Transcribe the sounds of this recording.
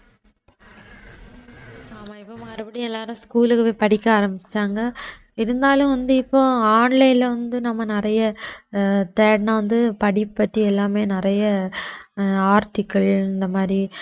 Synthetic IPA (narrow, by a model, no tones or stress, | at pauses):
aːmaːɪpːɐmɐɾɯpɐɽiɛlːaːɾɯ̃skuːlɯkːɯʋeːpɐɽɪkːɐaːɾɐmbɪt͡ʃːaːŋɡɐ | ɪɾɯnd̪aːlɯ̃ʋɐnd̪ɯɪpːoːaːɳlɐjɪlʋɐnd̪ɯnɐmːɐnɪɾɐjɐ | t̪eːɽnɐʋɐnd̪ɯpɐɽɪpːɐʈːiɛlːaːmeːnɪrɐjɐ | aːɾʈɪkːɐɭɪnd̪ɐmaːd̪ɾi